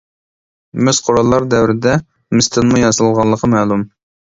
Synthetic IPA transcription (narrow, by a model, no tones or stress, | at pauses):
mɪzqʰoɾɑlˠːɑɾd̪ɛwɾɪd̪ɛ | mɨst̪ʰɨnmujɑzɨlˠʁɑlˠːəqʰəmɛːlˠum